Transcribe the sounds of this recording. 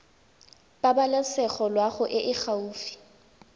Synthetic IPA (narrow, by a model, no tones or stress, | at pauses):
pʼabalɛsɛχɔlwaχʊʔɪʔɪχauːfi̥